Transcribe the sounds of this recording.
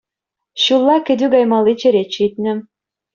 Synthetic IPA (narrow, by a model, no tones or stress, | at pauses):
ɕulˠːɑkɘ̆d̪yɡɑjmɑlit͡ɕɘ̆ɾet͡ɕit̪̚nɘ̆